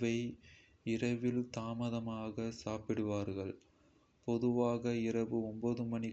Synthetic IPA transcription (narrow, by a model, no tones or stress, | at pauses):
ʋɐɪ | ɪrɐʋɪlt̪aːmɐðɐmaːɣɐsaːpɪɽɯʋaːɾɣɐɭ | pɔðɯʋaːɣɐɪrɐʋɯɔmboðɯmɐnɪ